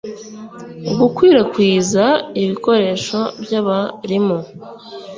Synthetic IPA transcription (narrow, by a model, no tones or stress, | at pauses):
uɡukwiːɾakwiːzaiβiko̞ɾe̞ːʃo̞bjaβaɾimo